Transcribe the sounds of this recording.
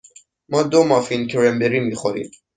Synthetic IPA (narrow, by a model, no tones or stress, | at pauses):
mɒːd̪omɒːfincʰeɾembeɾiːmiːxoɾḭːd̪